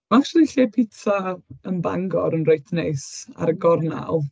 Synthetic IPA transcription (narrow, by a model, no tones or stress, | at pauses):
maakʃlˠiɬiːpʰɪtʰaənba̰ŋɡɔɾənrojtʰnejsa̰ɾəɡɔrna̰lˠ